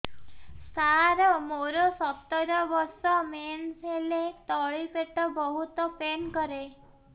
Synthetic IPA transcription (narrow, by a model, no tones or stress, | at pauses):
saɾɔmoɾɔsɔt̪ːɔɾɔbɔɾsɔmensɦelet̪ɔɭipeʈɔbɔɦut̪ɔpenkɔɾe